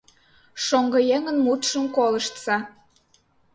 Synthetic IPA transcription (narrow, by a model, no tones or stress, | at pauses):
ʃoŋɡɤ̆jeŋənmut̪ʃəmkolɤʃt̪sɑ